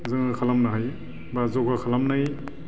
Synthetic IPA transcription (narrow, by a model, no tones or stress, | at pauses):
zɯŋɯkʰalamnaɦaj | bazɔɡakʰalamnaj